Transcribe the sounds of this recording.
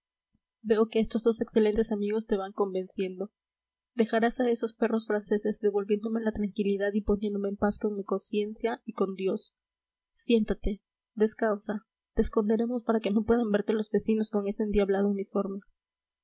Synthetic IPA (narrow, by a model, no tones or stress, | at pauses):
be̞o̞keest̪o̞zðo̞se̞kse̞le̞nt̪e̞samiɣo̞st̪e̞βaŋko̞mbe̞nsje̞nd̪o̞ | d̪e̞xaɾasae̞so̞spe̞ro̞sfɾanse̞se̞zd̪e̞βo̞lβjend̪o̞me̞lat̪ɾaŋkiliðaðipo̞njend̪o̞me̞ːmpasko̞ŋmiko̞nsje̞nsjaiko̞nd̪jo̞sː | je̞nt̪at̪e̞ | de̞skawsa | t̪e̞ːsko̞nd̪e̞ɾe̞mo̞spaɾake̞no̞pwe̞ðambe̞ɾt̪e̞lo̞zbe̞sino̞sko̞ŋe̞send̪jaβlaðounifo̞ɾme̞